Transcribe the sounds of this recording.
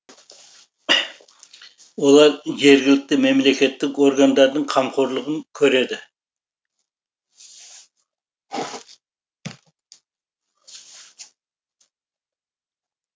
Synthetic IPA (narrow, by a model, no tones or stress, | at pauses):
wo̞lˠɑɾʒe̞ɾɡʲɪlɪk̚t̪ɪme̞mle̞kʲe̞t̪ːɪko̞ɾɡand̪ɑɾd̪əɴqʰɑmqʰoɾlˠəʁəŋkʲʰɵɾe̞d̪ɪ